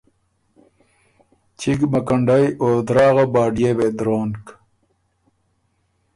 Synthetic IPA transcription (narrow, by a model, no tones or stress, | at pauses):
t͡ɕʰiɡmɐkɐɳɖajoːd̪ɾaːɣabaːɖijebed̪ɾoːnk